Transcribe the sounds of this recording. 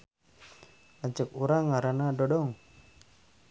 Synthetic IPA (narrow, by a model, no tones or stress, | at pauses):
aɲt͡ʃək̚uɾaŋaɾanadɔdɔŋ